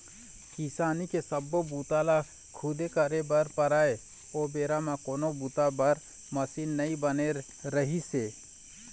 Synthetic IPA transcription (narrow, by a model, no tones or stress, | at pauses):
kisaːnikesəbobuːt̪ala | kʰud̪ekəɾebəɾpəɾaːe | oːbeːɾamãkoːnobuːt̪abəɾ | məsinːəĩbəne | ɾəɦiseː